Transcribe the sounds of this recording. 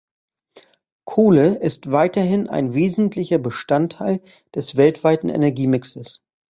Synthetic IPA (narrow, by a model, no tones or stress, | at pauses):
kʰoːləɪstv̥aɪtɐɦɪna̰ɪnveːzn̩tʰlɪçɐbəʃtantʰːaɪl | d̥ɛsv̥ɛltv̥aɪtn̩ʔḛnɛɐɡiːmɪksəs